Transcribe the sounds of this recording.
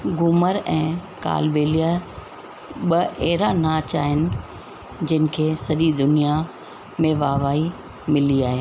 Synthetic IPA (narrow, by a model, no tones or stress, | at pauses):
ɡʊməɾɛ̃ːka̰ːlbeːlija | ɓɐʔeːɾanat͡ɕa̰ːɦɪnɪ̆ | d͡ʑɪnɪ̆kʰeːsɐɗid̪ʊnija | mẽʋaːʋaːi | mɪliaːɦeː